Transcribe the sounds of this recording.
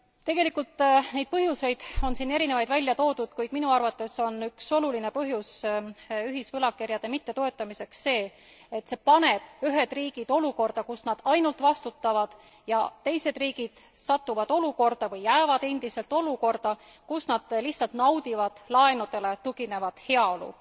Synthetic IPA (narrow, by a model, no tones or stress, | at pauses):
t̪e̞ɡ̥e̞likːult̪ˑːne̞jd̪̚pɤɦjuse̞jd̪̥o̞nsiːne̞ɾinevɑjd̪̥vælʲjɑt̪o̞ːd̪ud̪̥kujd̪̥minuɑrvɑt̪ːˑe̞so̞nykso̞luline̞pɤɦjus | yɦisvɤlɑkerjɑd̪̥e̞mit̪ːe̞t̪o̞e̞t̪ːˑɑmise̞ksːe̞ː | et̪ːse̞pɑne̞b̥yɦe̞d̪̥riːɡ̥id̪̥o̞luko̞rd̪̥ɑkusnɑd̪̥ɑjnult̪ˑvɑst̪ut̪ːɑvɑd̪̥ | jɑ̰t̪e̞jse̞d̪̥riːɡ̥id̪̥ | sɑt̪ːuvɑd̪̥o̞luko̞rd̪̥ɑvɤjːæevɑd̪e̞nd̪̥ise̞lt̪o̞luko̞rd̪̥ɑ | kusnɑd̪̥liçhtsɑlt̪nɑwd̪̥ivɑd̪̥lɑe̞nud̪e̞le̞t̪uɡ̥ine̞vɑd̪̥he̞ɑo̞lṵ